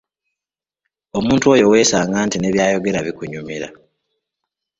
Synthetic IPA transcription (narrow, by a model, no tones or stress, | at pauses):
o̞muːntuo̞ːjo̞we̞ːsaːŋɡaːntine̞βjaːjo̞ɡe̞ɾaβikuɲumiɾa̰